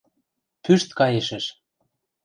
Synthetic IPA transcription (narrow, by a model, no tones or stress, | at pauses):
pyʃt̪kɑjeʃĕʃ